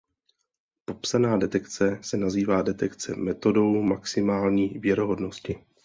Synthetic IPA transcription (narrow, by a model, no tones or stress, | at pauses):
po̞psanaːdɛt̪ɛkt͡sɛsɛnaziːvaːdɛt̪ɛkt͡sɛ̰mɛt̪o̞do̞wmaksɪmaːlɲiːvjɛɾo̞ɦo̞dno̞scɪ